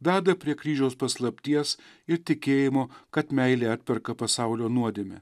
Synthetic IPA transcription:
d̪ɑːd̪ɐpʲɾʲiɛkɾʲiːʒʲɛʊspɐslˠɐpʲt̪ʲiɛs | ɪɾt̪ʲɪkʲeːjɪmoːkɐt̪mʲɛɪlʲeːɐt̪ʲpʲɛɾkɐpɐsɑʊlʲoːnuɔd̪ʲeːmʲɪ̰

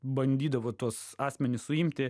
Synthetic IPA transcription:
bɐnʲd̪ʲiːd̪ɐʋoːt̪uɔsɑːsʲmʲɛnʲɪssʊɪmʲt̪ʲɪ

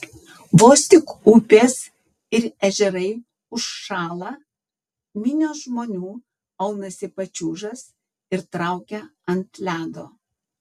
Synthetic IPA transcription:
ʋoːsʲt̪ʲɪkupʲeːs | ɪɾɛʒʲɛɾɐɪ | ʊʃːɑːlˠɐː | mʲɪnʲoːʒmoːnʲuː | ɐʊnɐsʲɪpɐt͡ʃʲuːʒɐs | ɪɾt̪ɾɐˑʊkʲɛɐnt̪lʲæːd̪oː

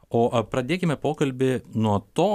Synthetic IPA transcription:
oːʔpɾɐd̪ʲeːkʲɪmʲɛpoːkɐlʲbʲɪnuɔt̪oː

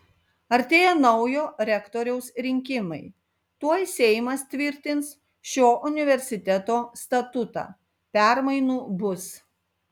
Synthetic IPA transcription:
ɐɾʲt̪ʲeːjɛnɐʊjoːɾʲɛkt̪oːɾʲɛʊsɾʲɪŋʲkʲɪmɐɪ | t̪uɔjsʲɛɪmɐst̪ʲʋʲɪɾʲt̪ʲɪns | ʃʲoːʔʊnʲɪʋʲɛɾʲsʲɪt̪ʲɛt̪oːst̪ɐt̪ʊt̪ɑ̰ː | pʲæˑɾmɐɪnuːbʊs

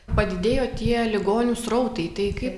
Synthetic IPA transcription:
pɐd̪ʲɪd̪ʲeːjoːt̪ʲiɛlʲɪɡoːnʲʊsɾɐʊt̪ɐɪt̪ɐɪkɐɪp

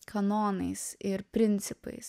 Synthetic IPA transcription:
kʰɐnoːnɐɪsɪɾpʲɾʲɪnʲt̪sʲɪpɐ̰ɪs

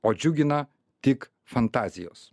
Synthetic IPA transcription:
ɔd͡ʒuɡʲina | t̪ik | fɐnt̪azijɔ̰s

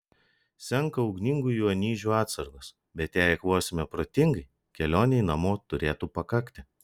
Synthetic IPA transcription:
sʲɛŋˑkɐɒʊɡnʲɪŋɡuːjuːɐnʲiːʒʲuːɑːt̪sɐɾɡos | bʲɛt̪jæjkʋoːsʲɪmʲɛpɾoːt̪ʲɪŋɡɐɪ | kʲɛlʲoːnʲɛɪnɐmoːt̪ʊɾʲeːt̪upɐkɐkt̪ʲɪ

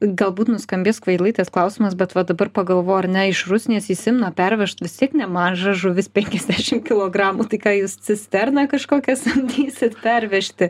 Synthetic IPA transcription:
ɡɐlˠbuːt̪nʊskɐmʲbʲeːskʋɐɪdlˠɐɪt̪ɐsklˠɐʊsʲimɐsbʲɛt̪ʋɐd̪ɐbɐrpɐɡɐlˠʋoːjɐɾnʲɛɪʃrʊsʲnʲiːsjɪsʲɪmnɐpʲɛɾʲʋʲɛʃt̪ʋʲɪst̪ʲiɛknʲɛmɐnʒɑʒʊʋʲɪspʲɛŋʲkʲɛzʲd̪ʲæːʃʲɪmkʲɪlˠoːɡrɑːmuːt̪ɐɪkɑːjuːssʲɪsʲt̪ʲɛrnɐkɐʃkoːkʲɛsɐnʲd̪ʲiːsʲɪt̪pʲɛrʲʋʲɛʃʲt̪ʲɪ

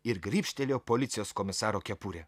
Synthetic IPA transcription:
ɪɾɡɾʲiːpʲʃʲt̪ʲɛlʲoːpolʲɪt̪sʲɪjoːskomʲɪsɑːɾoːkʲɛpuɾʲɛ

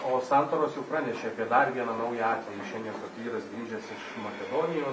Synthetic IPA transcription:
oːsɑnt̪oːɾoːsjɛʊpɾɑːnʲɛʃʲeːɐpʲiɛd̪ɐrʋʲiɛnɐnɐʊjɛɑːt̪ʲʋʲɛjɪʃʲɛnʲd̪ʲiɛnpɐt̪ʲʋʲiːɾɐsɡɾʲiːʒʲɛsɪʃmɐkʲɛd̪oːnʲɪjoː

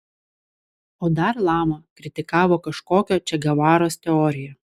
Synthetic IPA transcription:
oːd̪ɐɾlˠɑːmɐkɾʲɪt̪ʲɪkɑːʋoːkɐʃkoːkʲoːt͡ʃʲɛɡɐʋɑːɾoːst̪ʲɛɔːɾʲɪjɛ

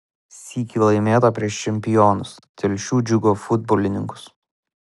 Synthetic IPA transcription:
sʲiːkʲiːlˠɐɪmʲeːt̪ɐpʲɾʲiɛʃt͡ʃʲɛmʲpʲɪjɔːnʊs | t̪ʲɛlʲʃʲuːd͡ʒʲʊɡoːfʊd̪̚boːlʲɪnʲɪŋkʊ̥s

